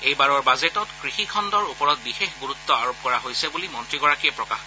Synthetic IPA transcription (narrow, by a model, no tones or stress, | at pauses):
ejbaɹɔɹbazetɔtkɹixikʰɔndɔɹupɔɹɔt̚bixexɡuɹut̪ːɔaɹop̚kɔɹaɦojsɛbulimɔntɹiɡɔɹakiɛpɹɔka̰x